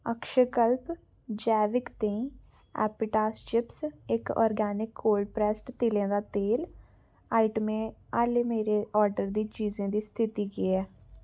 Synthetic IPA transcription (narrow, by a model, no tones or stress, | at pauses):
əkʃəkəlp | d͡ʒɛːʋɪkt̪ẽːĩː | ɛ̰ːpɪʈaːst͡ʃɪpsɪkɔ̰ːɾɡɛːnɪkːoːlɖpɾɛːsʈt̪ɪlẽːd̪aːt̪eːl | aːɪʈmẽːaːleːmeːɾeːʔɔːɾɖəɾd̪iːt͡ʃiːzẽːd̪iːst̪ʰɪt̪iːɡiɛː